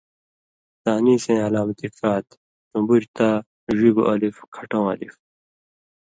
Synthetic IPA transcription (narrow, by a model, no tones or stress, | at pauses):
t̪aːniːsẽːɐlaːmt̪ikaːt̪ | sũmbuɾt̪aː | ʐiɡo̰ʔɐlifkʰɐʈõːɐ̰lḭf